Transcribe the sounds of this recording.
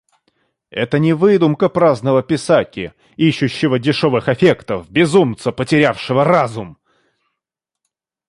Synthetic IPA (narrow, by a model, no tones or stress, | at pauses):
ɛt̪ənʲɪvɨd̪ʊmkəpɾaznəvəpʲɪsakʲɪ | iɕːʊɕːɪvədʲɪʂo̞vɨxɐfʲe̞kt̪əfbʲɪzumt̪səpətʲɪɾʲafʂɨvərazʊm